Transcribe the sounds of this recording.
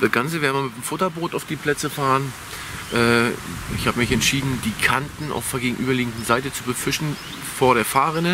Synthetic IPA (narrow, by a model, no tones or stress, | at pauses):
d̥asɡ̥ant͡səvɛːɐnəmamɪtmfʊtɐboːtaʊfd̥iːpʰl̥ɛt͡səfaːʁən | ʔɛːʔɪçhaːbəmɪçɛntʃiːdn̩diːkʰantn̩a̰ʊfɛɡeːɡŋ̩ʔyːbɐliːɡŋ̩dn̩zaɪtət͡subəfɪʃn̩ | foːɐɾeːɐfaːʁɪnə